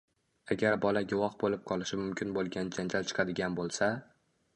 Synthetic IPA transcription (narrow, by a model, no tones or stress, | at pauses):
aɡʲaɾbɒlaɡʲʊwɒχbolɪp̚qʰɒlˠɪʃɪmʊmkʲʰɪnbolˠɡʲand͡ʒand͡ʒalt͡ʃʰɨ̥qʰɑd̪ɪɡʲanbolˠsa